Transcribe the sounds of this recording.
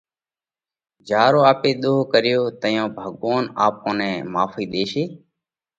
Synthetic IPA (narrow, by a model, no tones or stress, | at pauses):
d͡ʒaːɾoːaːpeːɗ̪oːkəɾɪjoːt̪əjõːbʱəɠʋoːnaːp̚kõːnẽːmaːfiːɗ̪eːʃeː